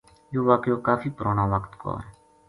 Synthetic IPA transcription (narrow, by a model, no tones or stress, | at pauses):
joːʋaːkjoːkaːfiːpəɾoːnaːʋəkt̪ko̰ːɛː